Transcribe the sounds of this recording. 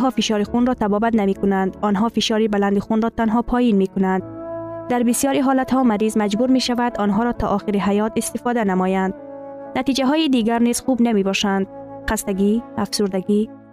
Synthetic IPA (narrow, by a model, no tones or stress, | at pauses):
ɦɔfiʃɒɾixunɾɔt̪ʰabɔbat̪namekunand̪ɔnɦɔfiʃɒɾibaland̪ixunɾɔt̪anɦɔpʰɔjinmekunand̪d̪æɾbisijɒɾiɦɔlat̪hɔmaɾizmæd͡ʒbuɾmeʃavad̪ɔnɦɔɾɔt̪ʰɒ̰ʔːxiɾiɦajɒt̪ist̪ifɔd̪anamɔjand̪ | nat̪id͡ʒaɦɔːjid̪iɡæɾniz̥χubnamebɔʃand̪̚χast̪aɡiafsuɾd̪aɡi